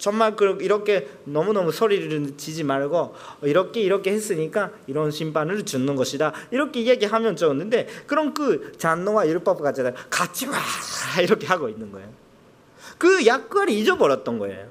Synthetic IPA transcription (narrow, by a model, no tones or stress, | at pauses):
t͡ɕʌŋmaɭkɯɾiɾʌkʰe̞nʌmunʌmusʰoɾiɾɯɯt͡ɕid͡ʑimaɭɡo | iɾʌkʰe̞iɾʌkʰe̞he̞s͈ɯɲik͈aiɾʌnɕʰimpʰanɯɭt͡ɕunːɯnɡʌɕʰidaiɾʌkʰe̞jeɡiɦamjʌnt͡ɕʌɯnːɯnde̞kɯɾʌnkɯt͡ɕanːowajuɭp͈ʌp̚k͈at͡ɕ͈ʰidakat͡ɕʰimaaiɾʌkʰe̞ɦaɡoinːɯnɡʌejo | kɯjak̚k͈aɾiid͡ʑʌbʌɾjʌt̚t͈ʌnɡʌe̞̰jo